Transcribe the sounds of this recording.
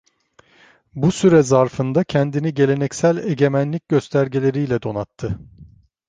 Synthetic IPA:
busyɾɛzaɾfɯnd̪acʰɛnd̪iniɟe̞lʲe̞nɛcsælʲeɟe̞mænlʲic̚ɟøst̪ʰæɾɟilʲe̞ɾijlʲɛd̪o̞nat̪ʰːɯ

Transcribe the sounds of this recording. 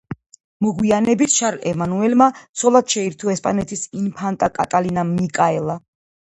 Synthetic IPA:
mɔɡwianɛbit̪ʰʃaɾɛmanuɛlmat̪sʰɔlˠad̪̥ʃɛiɾt̪ʰuɛspʼa̰nɛt̪ʰisinpʰant̪ʼakʼa̰t̪ʼalinamikʼaɛlˠa

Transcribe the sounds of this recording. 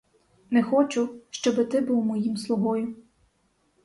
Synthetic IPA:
nɛxɔt͡ʃʊʃt͡ʃɔbɪt̪ɪbulwˠmɔjimslˠʊɦɔjʊ

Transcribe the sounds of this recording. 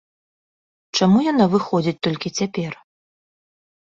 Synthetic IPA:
t͡ʂamujanavɨxɔd͡zʲit͡sʲt̪ɔlʲkʲit͡sʲapʲɛr

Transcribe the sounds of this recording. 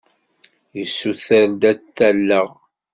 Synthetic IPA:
jəsːuθəɾd̪æθːælːəʁ

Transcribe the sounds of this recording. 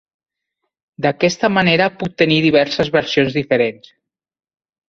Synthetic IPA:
d̪akɛst̪əmaneɾəput̚t̪ːəniðiβ̞ɛɾsəzβəɾsionzðifəɾens

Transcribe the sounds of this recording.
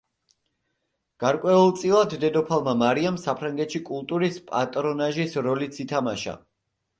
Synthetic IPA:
ɡ̥aɾkʼwɛulˠt̪sʼilˠad̪ːɛd̪ɔpʰalˠmamaɾiamsapʰɾaŋɡɛt̪ʃikʼulˠt̪ʼuɾispʼa̰t̪ʼɾɔnaʒisɾɔlit̪sit̪ʰamaʃa̰

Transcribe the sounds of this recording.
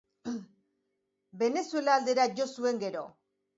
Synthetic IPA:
be̞ne̞sue̞laːld̪e̞ɾaʝo̞sue̞ŋɡe̞ɾo̞̰

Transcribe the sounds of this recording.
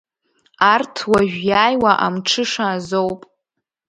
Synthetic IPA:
artʰwaʒᶣjaːjwaʔa̰mʈ͡ʂʰɨʂaːzowpʼ

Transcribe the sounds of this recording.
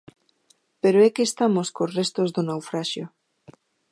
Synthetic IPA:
peɾoɛkest̪amoskosrest̪ozðonawfɾaʃjo

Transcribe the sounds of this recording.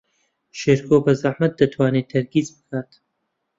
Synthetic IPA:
ʃeːɾkʰoːbɐzɐħmɐt̪̚d̪ɐt̪ʰwaːneːt̪ʰɐɾɡiːzbɨkʰaːt̪

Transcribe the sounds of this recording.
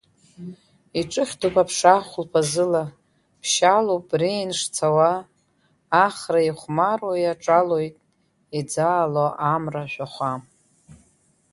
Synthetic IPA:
iʈ͡ʂʼɨχʲtʰupapʰʂaχʷʊlpʰazɨla | pʰʃalopʼrinʂt͡sʰawaː | χraiχʷmarwajaʈ͡ʂʼalo̞jtʼ | id͡zaːloʔamraʃʷᶣaχʷa

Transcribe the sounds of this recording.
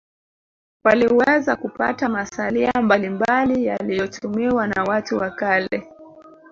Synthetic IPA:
waliwɛzakupa̰tamasaliambalimbalijalijɔtʰumiwanawatuwakalɛ̰

